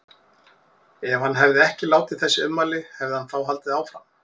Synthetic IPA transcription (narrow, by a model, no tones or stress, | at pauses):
ɛv̥hanːɦɛvðɪɛhcɪlaːwt̪ɪθɛsːɪʏnmaːlɪhɛvðɪhanθawɦalt̪ɪðaːwfɾam